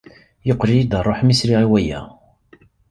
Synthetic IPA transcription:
joqːɾijid̪ərˤːoħmisɾiʁiwæjæ̰

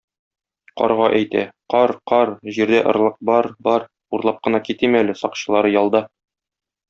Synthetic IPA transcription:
qɒ̰ɾʁɑʔæjt̪æ̰qɒɾqɒɾʑiɾd̪æʔŏɾlˠɤq̚bɒɾbɒɾ | uɾlˠɑp̚qɤ̆nɑkit̪imælɘsɒqɕɤ̆lˠɑɾɤjɒlˠd̪ɑ

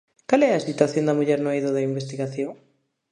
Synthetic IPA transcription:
kalɛɐsit̪waθjõnd̪ɐmuʎɛɾnoaiðoðaimbest̪iɣaθjoŋ

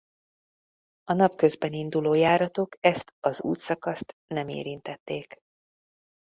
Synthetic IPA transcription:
ɒnɒpkø̞zbɛnind̪uloːjaːɾɒt̪o̞kɛst̪ɒzṵːt̪sɒkɒst̪nɛmḛːɾint̪ɛt̪ːeːk

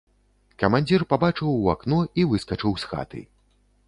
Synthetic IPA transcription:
kɐmanʲd͡zʲirpabat͡ʂɨwa̰knɔivɨskɐt͡ʂɨwsxa̰t̪ɨ̰

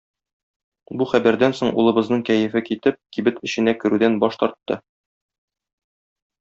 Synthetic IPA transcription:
buχæbæɾd̪ænsoɴṵlˠɤ̆bɤ̆znɤɴkæjɘ̆fɘkit̪ɘp̚kibɘt̪ɘ̆ɕɘ̆nækɘ̆ɾʉd̪ænbɒʃt̪ɒɾt̪ːɤ

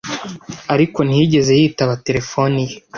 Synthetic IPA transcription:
aɾiko̞niɟe̞ze̞hiːtaβate̞ɾe̞fo̞nije

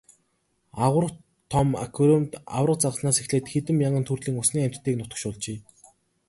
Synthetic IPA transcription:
aʁə̆r̆ | t̪ʰːɔma̰kʰuɾemt̪a̰wrə̆qt͡saʁəsnaːsexɮeːt̪xet̪ɘ̆mjaɴə̆nt̪ʰurɮiːŋʊsniːŋæm̥ʲt̪ːiːknʊt̪ə̥̆ʃʊɮt͡ɕeː

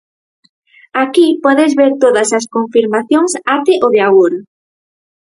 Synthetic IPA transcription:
akipɔðɪzβeɾt̪oðɐsɐskoɱfiɾmaθjoŋsat̪ɪʔoðeaɣoɾ

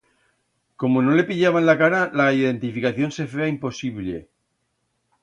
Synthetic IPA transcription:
ko̞mono̞le̞piʎaβanlakaɾalaiðe̞nt̪ifikaθjõ̞nse̞feaimpo̞siβlḛ

